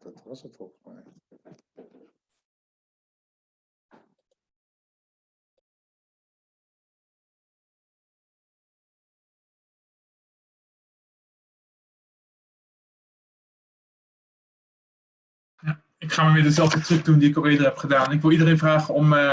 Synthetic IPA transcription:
d̥tstfɔmɛj | ja | ɪkχaːməʋɪːɹdəzɛlˠvdətrɪp̚dundiɪkoɪːədəɹɦɛpχədaːnnɪkʋɪlˠidərenvraːχəɔm

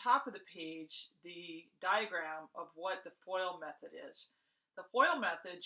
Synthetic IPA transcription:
ɑpʌvðɨpʰeɪd͡ʒðɨdaɪɨɡɹæ̃mʌvwʌt̪̚ðɨfɔɪlˠmɛθɨɾɪ̰z̥ | ðəfɔɪl̩ˠmɛθɨd

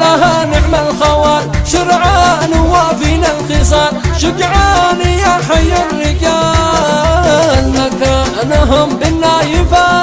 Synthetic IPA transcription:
laɦanɪʕmalxawaːlʃʊɾʕanʊwafinalxɪsˤɑːɾʃʊkʕaːnijaħajːalːɪkaː | lmakaʔanaɦʊmbɪnːajɪfa

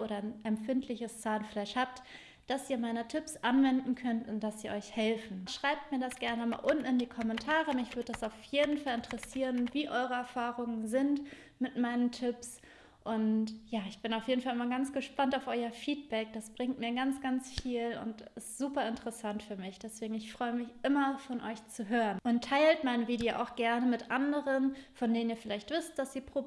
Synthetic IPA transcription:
ʔoːɾɐnʔɛmfɪntʰlɪçəst͡saːnflaɪʃhaːp̚t | d̥asʔiːɐmaɪnətʰɪpsʔanvɛndn̩kʰœntʊnt̚d̥asz̥iːɐɔʏçhɛlfn̩ʃʁ̥aɪp̚tmiːɐdasɡ̥ɛɐnəma̰ːlʔʊnt̩ndiːkʰɔmɛntʰaːʁəmɪçv̥ʏɐdədasaʊfjeːdn̩falɪntəʁɛsiːʁənviːʔɔʏʁəɛɐfaːʁʊŋənzɪnt | mɪtmaɪnəntʰɪps | ʔʊntjaːɪçb̥ɪnaʊfjeːdn̩falʔɪmɐɡant͡sɡ̥əʃpantaʊfʔɔʏɐfiːt̚b̥ɛk̚d̥asb̥ʁɪŋtmiːɐɡant͡sɡ̥ant͡sfiːlʊ̰ntɪstz̥uːpɐɪntəʁəsantfyːɐmɪçd̥ɛsv̥eːɡŋ̩ɪçfʁ̥ɔʏəmɪçʔɪmɐfɔnʔɔʏçt͡suɦøːʁənʔʊntʰːaɪltmaɪnəviːdeoʔaʊxɡ̥ɛɐnəmɪtʔandəʁənfɔndeːnəniːɐfɪlaɪçtv̥ʏst̚d̥asz̥iːpʁ̥o

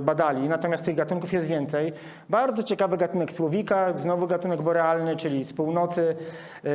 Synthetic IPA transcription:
bad̪alʲinat̪ɔmʲjast̪t̪ɘɣɡat̪uŋkufjɛst̪vʲjɛnt̪sɛj | baɾd̪zɔt͡ɕɛkavɘɡat̪unɛkswɔvʲikaznɔvuɡat̪unɛɡbɔɾɛalnɘt͡ʂɘlʲifspuwnɔt̪sɘ

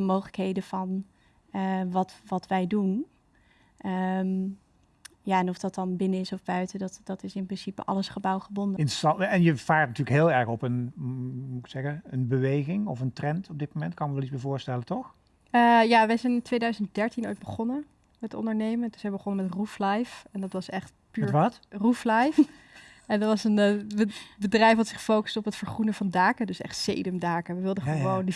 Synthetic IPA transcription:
əmowχələkɦejdəvɑn | əʋɑtʋɑtʋɛjdun | ʔəm | jaːɛnɔfd̥ɑt̚ɑnbɪnəɪsɔvbœɥtədɑtd̥ɑtɪsɪmprɪnsipə̰ʔɑ̰ləsχəbɑwχəbɔndəɪntəsɑɛnjəv̥aːɹtnatyːlkɦɪːlˠɛɹχɔpən | usɛɣəənbəʋejχɪŋɔfəntrɛntɔb̚dɪt̚momɛntkɑnkəʋɛlˠismɪːvʊːɹstɛlətɔx | əːjaʋɛjzɛjnɪntʋejdœɥzənt̚dɛɹtino̰jd̚bəχɔnə | mɛtɔ̰ndəɹnejməndsɛjbəχɔnəmɛtruflajfɛndɑtʋɑsɛχt | pyɛɹtʋɑtruflajf | ɛndɑtʋɑsənbəbədrɛjfɦɑtsɪχfowkə̥sdɔpətfəɹχrunəvɑndaːkədɵsɛ̰χtsḛjdəmdaːkəʋəʋɪlˠdəχəʋowndə

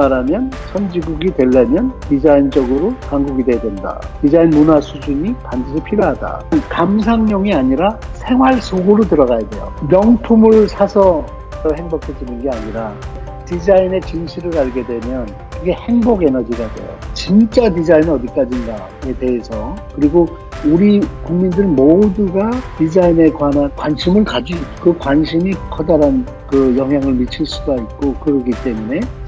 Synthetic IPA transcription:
maɾamjʌnsʰʌnd͡ʑiɡuɡidwe̞ɭːamjʌntid͡ʑaint͡ɕʌɡɯɾokaŋɡuɡideedwe̞nda̰tid͡ʑainmunwasʰud͡ʑuɲipandɯɕ̬ʰipʰiɾjoɦada̰nkamsʰaŋɲʌŋiaɲiɾa | sʰe̞ŋɦwaɭsʰoɡoɾotɯɾʌɣajadwe̞̰jo̰mjʌŋtʰumɯɭsʰasʰʌ | tʌhe̞ŋbokʰed͡ʑinɯnɡe̞aɲiɾa | tid͡ʑaine̞t͡ɕinɕʰiɾɯɾaɭɡe̞dwe̞mjʌn | kɯɡe̞he̞ŋboɡe̞nʌd͡ʑiɡadwḛjo̰t͡ɕint͡ɕ͈atid͡ʑainɯʌdik͈ad͡ʑinda | e̞te̞ɦesʰʌkɯɾiɡo | uɾikuŋmindɯɾɯnmoduɡatid͡ʑaine̞kwanankwanɕʰimɯɭkad͡ʑikɯkwanɕʰimikʰʌdaɾan | kɯjʌŋɦjaŋɯɭmit͡ɕʰiɭs͈udait̚k͈okɯɾʌɡit͈e̞mune̞

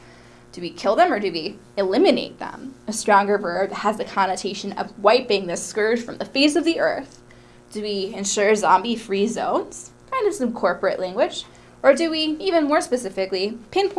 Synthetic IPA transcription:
d̥ɨwikʰɪlˠðə̃mə˞dɨwi | ɨlɪmɨnḛɪt̪̚ðə̰̃mɨstɹ̥ɔ̃ŋɡə˞vɜ˞bəzðɨkʰɑnɨtʰeɪʃɨ̃nʌ̰vwaɪpɪ̃ŋðɪskɜ˞d̥ʒ̥fɹʌ̃mðɨfeɪs̬ʌvðiʔɜ̰˞θ | d̥ɨwiɨ̃nʃʊɹzɑ̃mbifɹizõ̰ʊ̃nz̥kʰãɪ̃ndʌv̥sʌ̃mkʰɔɹpɨʔlʔæ̃ŋɡwɪd͡ʒ | ə˞dɨwiivɨ̃nmɔɹspɨsɪfɨklipʰɪ̃npʰ

